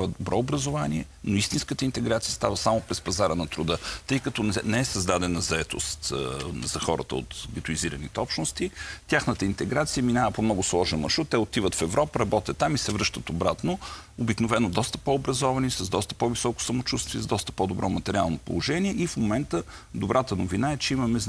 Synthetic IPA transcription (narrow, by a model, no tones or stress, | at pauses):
vəd̪obɾɔobɾəzovaniɛ | noist̪inskət̪əint̪ɛɡɾat̪siəst̪avəsamopɾɛspɐzaɾənɐt̪ɾʊd̪ət̪ɤjkət̪ɔnɛɛsɐzd̪ad̪ɛnɐzɐɛt̪o̰st̪zɐxɔɾə̰t̪ə̰o̰t̪ɡɛt̪ʊiziɾənit̪ɛɔpʃnost̪it̪ʲaxnət̪əint̪ɛɡɾat̪sijəminavəpomnɔɡʊslˠɔʒɛnmɐ̰ʃɾut̪ːɛot̪ivət̪fɛvɾʔɔpəɾɐbɔt̪ʲət̪ːamisɛvɾɤʃt̪ət̪obɾat̪noobiknovɛnod̪ɔst̪ə̥poobɾɐzɔvɐnisɐzd̪ɔst̪ə̥pɔvisɔkʊ̥sɐmot͡ʃust̪viɛzd̪ɔst̪ə̥pod̪obɾʔɔmɐt̪ɛɾʲialˠnopo̰lˠoʒɛniɛʔifmomɛnt̪əd̪ʊbɾʔat̪ənovinaɛt͡ʃɛimɐmɛz